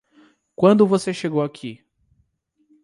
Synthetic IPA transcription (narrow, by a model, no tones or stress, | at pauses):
kwɐ̃nd̪ʊvoseʃeɡowakʰi